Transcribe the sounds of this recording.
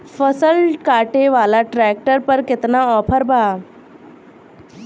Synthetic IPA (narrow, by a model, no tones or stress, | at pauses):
fʰəsəlkaːʈeʋaːlaʈɾɛk̚ʈəɾpəɾkɪt̪naɔːpʰəɾbʱaː